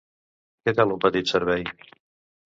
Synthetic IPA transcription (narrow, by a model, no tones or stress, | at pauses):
ket̪alˠumpət̪it̪səɾβɛj